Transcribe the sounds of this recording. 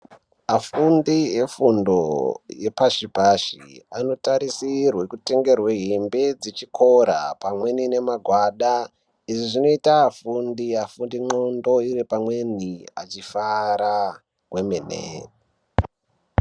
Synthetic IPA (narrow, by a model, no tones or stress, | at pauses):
afundiefundo̰je̞paʃipaʃḭano̞taɾisirwe̞kute̞ŋɡe̞rweɦimbed͡zit͡ʃikʰo̞ɾa̰pamwe̞nine̞maɡʱwaɗa | iʐiʐino̞itafundiafundiŋ͡ǃondo̞iɾipamwe̞nia̰t͡ʃifaɾa | kwemenḛ